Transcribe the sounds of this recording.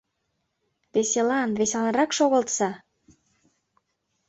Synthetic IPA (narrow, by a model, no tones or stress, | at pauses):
βeselɑnβeselɑnrɑkʃoɣə̆lt̪sɑ